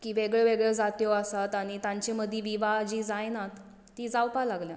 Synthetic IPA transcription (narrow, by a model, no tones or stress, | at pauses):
kiːʋeɡɭeʋeɡɭɛd͡zat̪joasat̪aɽ̃it̪ãɲt͡ɕeməd̪ʱjeʋiʋad͡ʑiːd͡zajnat̪ː | iːd͡zawpalaɡlja̰